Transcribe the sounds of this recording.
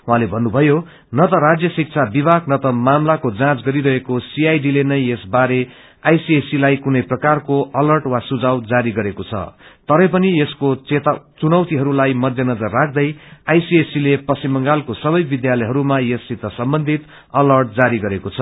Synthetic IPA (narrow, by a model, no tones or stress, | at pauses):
uɦãlebʱʌnːubʱʌjo | nʌt̪ʌɾad͡zjʌsik̚t͡sʰabibʱaknʌt̪ʌmamlakod͡zãt͡sɡʌɾiɾʌɦekosiajɖilenʌjesbaɾe | ajsiesilajkunʌjprʌkarkoʌlʌrʈwasud͡zawd͡zaɾiɡʌɾekot͡sʰʌ̰t̪ʌɾʌpʌnieskot̪t͡sunʌwt̪iɦʌɾulajmʌd̪ʱjʌnʌd͡zʌrːak̚ʰd̪ʌjajsiesilepʌsimʌŋɡalkosʌbʌjbid̪jalʌjɦʌɾumajesːit̪ːʌsʌmbʌnd̪ʱit̪ | ʌlʌrʈ̚d͡zaɾiɡʌɾekot͡sʰʌ